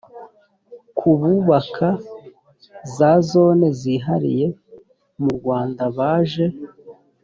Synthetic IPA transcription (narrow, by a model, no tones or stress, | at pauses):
kʰuβuβakʰa | zazo̞ːne̞ziɦaɾḭje̞ | muɾɡwaːndaβaːʒe̞